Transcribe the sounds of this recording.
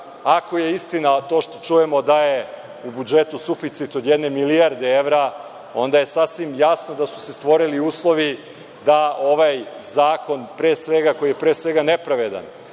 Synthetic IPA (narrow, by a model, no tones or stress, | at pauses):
akoje̞ist̪inat̪o̞ːʃt̪o̞̥t͡ʃuje̞mo̞d̪aje | ubud͡ʒet̪usufit̪sit̪o̞d̪jed̪ne̞miliaɾd̪eeʋɾa | o̞nd̪aje̞sasʋimjasno̞d̪asu̥se̞st̪ʋo̞ɾiliuːslˠo̞ʋi | d̪ao̞ʋajzaːko̞npɾeːsʋe̞ɡako̞ijepɾe̞ːsʋe̞ɡane̞pɾaʋed̪a̰n